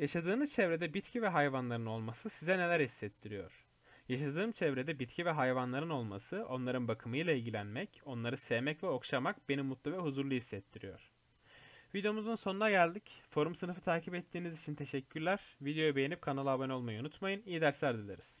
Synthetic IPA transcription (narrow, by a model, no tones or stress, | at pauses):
jaʃad̪ɯːmɯzt͡ʃʰɛvɾed̪ɛbit̪cʰivɛɦajvanlˠaɾɯno̞lˠmasɯsizɛne̞lʲæɾhisːɛt̪ʰːiɾijo̞̰ɾ̥ | jaʃad̪ɯːmt͡ʃʰɛvɾed̪ɛbit̪cʰivɛɦajvanlˠaɾɯno̞lˠma̰sɯʔo̞nlˠaɾɯnbakʰɯmɯjlˠailʲɟilʲænmɛco̞nlˠaɾɯsejmɛcvɛo̞kʃamakbe̞nimːut̪lˠuvɛɦuzuɾlˠuhisːɛt̪ʰːiɾijo̞̰ɾ̥ | vid̪ejo̞muzunso̞nunaɟælʲd̪icfo̞ɾumsɯnɯfɯt̪ʰaːcipɛt̪ʰːiːnizit͡ʃʰint̪ʰe̞ʃɛcʲʰːyɾlʲæɾvid̪ejo̞jabejenip̚kʰanalˠabano̞lˠmajiunut̪majɯnijid̪æɾsʲæɾd̪ilʲeɾiz̥